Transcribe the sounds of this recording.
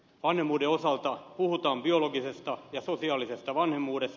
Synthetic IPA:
ʋɑnhemːuːdeosɑlt̪ɑpuhut̪ɑːmbioloɡisest̪ɑjɑsosiɑːlisest̪ɑʋɑnhemːuːdes

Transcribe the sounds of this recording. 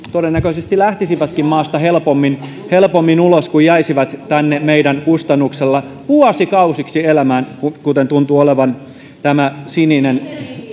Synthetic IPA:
t̪odenːækøisest̪ilæht̪isiʋæt̪kimmɑːst̪ɑhelpomːin | helpomːinuloskujæisiʋɑt̪t̪ænːemeidænkust̪ɑnːukselːɑ | puɑsikɑusiksielæmæːnkukut̪ent̪unt̪uoleʋɑn | t̪æmæsininen

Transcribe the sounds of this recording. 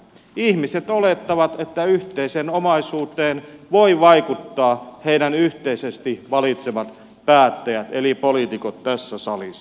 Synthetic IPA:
ihmiset̪olet̪ːɑʋɑt̪et̪ːæyht̪eisenomɑisuːt̪ˑeːnʋoiʋɑikut̪ːɑːheidænyht̪eisest̪iʋɑlit̪seʋɑt̪ | pæːt̪ːæjæt̪elipolit̪ikot̪tæsːæsɑlisːɑ

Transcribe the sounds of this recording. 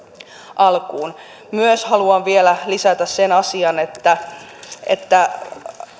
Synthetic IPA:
ʔɑlkuːn | myøshɑluɑnʋielælisæt̪æssenɑsiɑnet̪ːæʔḛt̪ːæ

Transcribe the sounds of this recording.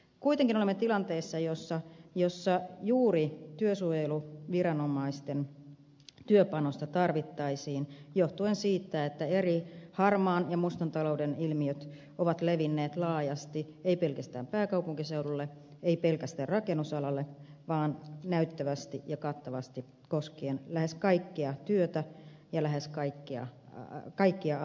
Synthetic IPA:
kuijt̪eŋkinoemːet̪ilɑnt̪e̞ːsːɑjosːɑjo̞sːɑjuːɾit̪yøsujeluʋiɾɑno̞mɑist̪en | t̪yøpɑno̞st̪ɑt̪ɑrʋit̪ːɑisiːnjo̞ht̪uensiːt̪ːæet̪ːæe̞ɾihɑrmɑːnjɑmust̪ɑnt̪ɑlo̞wdenilmiøt̪ | oʋɑt̪leʋinːeːt̪lɑːjɑst̪i | eipelkæst̪æːmpæːkɑupuŋkiseuɾulːe | eipelkæst̪æːrrɑkenːusɑlɑlːeʋɑːnnæyt̪ːæʋæst̪ijɑkɑt̪ːɑʋɑst̪i | koskeːnlæheskɑikːiɑt̪yøt̪æjɑlæɦeskɑikːiɑ̰kɑikːiɑ

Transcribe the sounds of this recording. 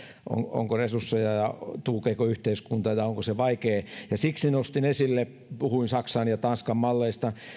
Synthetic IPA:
ʔo̰ŋo̰ŋkoresusːejɑjɑt̪uːkeikoyht̪eiskunt̪ɑjɑoŋkoseʋɑikeːjɑsiksinost̪inesilːe | puhuinsɑksɑnjɑt̪ɑnskɑmmɑlːeist̪ɑ

